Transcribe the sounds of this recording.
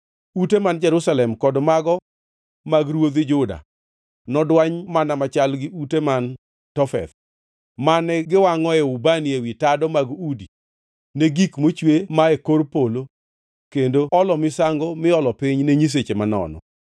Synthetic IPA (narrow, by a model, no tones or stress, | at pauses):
utemand͡ʒɛɾʊsalɛmkɔdmaɡɔ | maɡɾwod̪ɪd͡ʒʊda̰ | nɔdwaɲmanamat͡ʃalɡɪʔuteman | tɔfɛ̰t̪ | manɛɡɪwaŋɔɛʊbaniewitadɔmaɡudi | neɡikmot͡ʃwemaekorpolo | kendoɔlɔmɪsaŋɡomɪɔlɔpɪɲneɲis̬et͡ʃemanɔ̰nɔ̰